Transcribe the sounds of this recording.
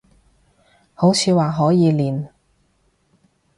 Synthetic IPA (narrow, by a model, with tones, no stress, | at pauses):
ho˨˥wt͡sʰiː˨˧waː˨ɦɔː˨˥jiː˨˧liː˨n